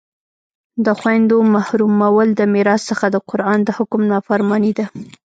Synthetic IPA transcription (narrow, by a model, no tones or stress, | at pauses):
d̪əxwajnd̪omahɾumawəld̪əmiɾɑsːəxad̪əqʊɾʔɑnd̪əhʊkʊmnɑfaɾmɑnid̪a